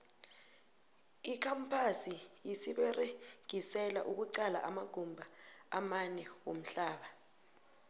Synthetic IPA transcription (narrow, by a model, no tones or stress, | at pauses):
ikʰampʰasijisiɓɛreɡ̥ʱisɛlaʔuk̬uǀala̰ʔamaɡ̥ʱumbʱaamanɛwom̩ɬaːɓa